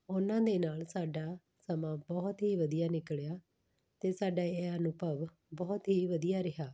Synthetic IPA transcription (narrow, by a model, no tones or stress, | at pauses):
ʊnãːd̪eːnaːlsaːɖaː | səmãːbɔːt̪ɦiːʋəd̪ijaːnɪkɭejaː | t̪eːsaːɖaːeaːnʊpəʋ | bɔːt̪ɦiːʋəd̪ijaːɾɪɦaː